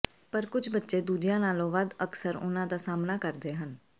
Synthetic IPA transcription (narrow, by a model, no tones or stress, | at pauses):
pəɾkʊd͡ʒbətːʃeːd̪uːd͡ʒɪjãːnaːlõːʋad̪əksəɾʊ̰nãːd̪aːsaːmnaːkəɾd̪eːɦən